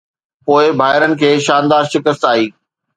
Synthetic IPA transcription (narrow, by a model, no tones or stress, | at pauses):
poːɪbʱaːɦɪɾənɪ̆kʰeːʃãːnd̪aːɾʃɪkəst̪aːɦiː